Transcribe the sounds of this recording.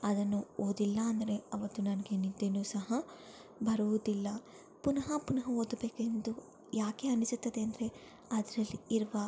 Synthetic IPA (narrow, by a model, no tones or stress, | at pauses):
ɐd̪ɐnːuoːd̪ilːɐːnd̪ɐɾe̞ɐʋɐt̪ːunɐnɐɡenid̪ːe̞nuːsɐɦɐ | bɐɾuʋud̪ilːɐ | punɐɦɐpunɐɦɐoːd̪be̞ːkend̪u | jaːke̞ɐnisut̪ːɐd̪eɐnd̪ɐɾe̞ | ɐd̪ɐɾɐlːiiɾʋɐ